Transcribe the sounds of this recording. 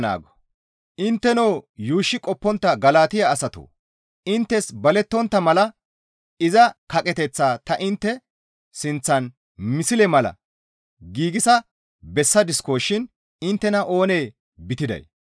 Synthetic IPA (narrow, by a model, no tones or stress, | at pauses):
na̰ːɡɔ̥ | ʔɪnt̪ːɛnoːjuːʃːɪkʼɔpːɔnt̪ːɐɡɐlaːt̪ɪjaːsɐt̪o̰ː | ʔɪnt̪ːɛsbɐlɛt̪ːɔnt̪ːɐmɐlɐ | ɪzɐkɐkʼɛt̪ɛt͡sːaːt̪ɐʔɪnt̪ːɛ | sɪnt͡sːɐn | mɪsɪlɛmɐlɐ̰ | ɡiːɡɪsɐ | bɛsːɐd̪ɪskoːʃɪn | ɪnt̪ːɛnɐʔo̞ːneː | bɪt̪ɪd̪ɐ̰j